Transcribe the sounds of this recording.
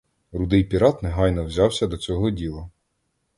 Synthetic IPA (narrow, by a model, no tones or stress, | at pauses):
ɾʊd̪ɪjpʲiɾɑt̪neɦɑjnɔwzʲɑwsʲɐd̪ɔt͡sʲɔɦɔdʲilˠɐ